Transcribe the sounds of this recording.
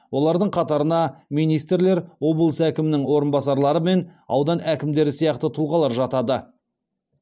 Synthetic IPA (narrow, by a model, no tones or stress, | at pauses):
wʔo̞lˠɑɾd̪əɴqʰɑt̪ɑɾənɑmijnijst̪ɾle̞ɾwo̞bəlˠəsækʲɪmɪnɪŋwo̞ɾənbɑsɑɾlˠɑɾəme̞nɑ̰wd̪ɑnʔækʲɪmd̪e̞ɾɪsijɑqt̪ət̪ʰʊlˠʁɑlˠɑɾʒɑt̪ɑd̪ə